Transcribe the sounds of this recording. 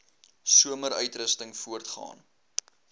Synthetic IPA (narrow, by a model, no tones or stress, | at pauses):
suəməɾœɥtrəstəŋfuərtχɑ̰ːn